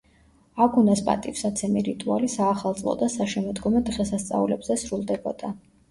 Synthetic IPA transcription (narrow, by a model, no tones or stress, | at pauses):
aɡunaspʼa̰t̪ʼifsat̪sʰɛmiɾit̪ʼualisaːχalˠt̪ʼlˠɔ̰d̪asaʃɛmɔd̪ɡɔmɛd̪ʁɛsast̪sʼa̰ulɛbzɛsɾulˠd̪ɛbɔd̪a